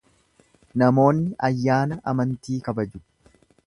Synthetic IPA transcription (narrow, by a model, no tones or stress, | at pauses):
nɐmo̞ːnːɪʔɐjːaːnɐʔɐmɐnt̪iːkɐbɐd͡ʒʊ̥